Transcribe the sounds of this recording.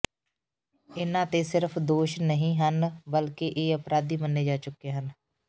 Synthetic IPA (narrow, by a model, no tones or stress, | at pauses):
ɪnãːt̪eːsɪɾpʰd̪oːʃnəɦĩːɦənbəlkeʔeːəpɾaːd̪iːmənːeːd͡ʒaːt͡ʃʊkːeːɦən